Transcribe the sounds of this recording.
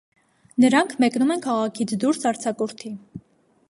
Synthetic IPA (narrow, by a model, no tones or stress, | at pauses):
nəɾɑŋkʰmɛknumɛnkʰɑʁɑkʰit͡sʰd̪uɾsɑɾt͡sʰɑkuɾt̪ʰi